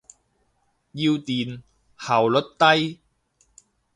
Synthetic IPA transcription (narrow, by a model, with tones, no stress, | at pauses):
ji˧wt̪iː˨˩n | hɐ˨˩wlɵ˨˥t̚t̪ɐ˥j